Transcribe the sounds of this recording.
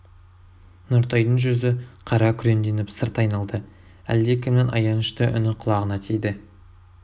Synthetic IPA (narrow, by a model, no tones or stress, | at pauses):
nʊɾt̪ʰɑjd̪əɴʒʏzɪqʰɑɾɑkʲʰʏɾe̞nd̪e̞nɪpsəɾt̪ɑjnɑlˠd̪ə | æ̰ld̪ekʲʰɪmnɪnʔɑ̰jɑnəʃt̪əʔʏ̰nɪqʰʊlˠɑʁənɑt̪ʰejd̪ɪ